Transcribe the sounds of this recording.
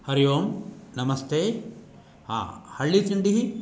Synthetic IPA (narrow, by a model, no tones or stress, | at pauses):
hɐɾijoːmnɐmɐst̪ʰeː | ha̰ːhɐɭːit̪iɳɖiɦi